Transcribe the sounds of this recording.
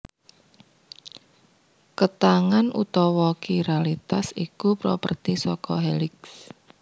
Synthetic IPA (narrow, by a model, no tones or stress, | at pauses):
kət̪aŋanʔṵt̪ɔwɔkiɾealit̪asikupɾɔ̰pərt̪isɔkɔɦelɪks